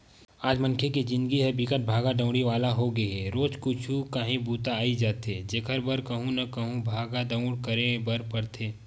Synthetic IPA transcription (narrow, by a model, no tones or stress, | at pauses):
aːd͡ʒmɐ̃nkʰekid͡ʒɪ̃nd̪ɡiɦɛbɪkət̪̚bʱaːɡaɖə̃ʊ̃ɽiʋaːlaɦoɡɐɛɾoːd͡ʒkʊt͡ʃʰukaɦẽbuːt̪aːid͡ʒaːt̪ed͡ʒekʰəɾbɐɾkɐɦũnɐkɐɦũbʱaːɡaɖɐ̃ʊ̃ɽkɐɾẽbɐɾpɐɾt̪ʰeː